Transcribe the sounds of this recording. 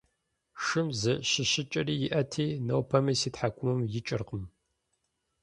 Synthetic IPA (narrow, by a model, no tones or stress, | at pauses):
ʂɨmzɨɕɪɕɪt͡ʃʼɐriːjɪʔɐtʰiːnɐwpʰɐmisiːtħakʷʰʼʊmɨmjɪt͡ʃʼɨ̰rqəm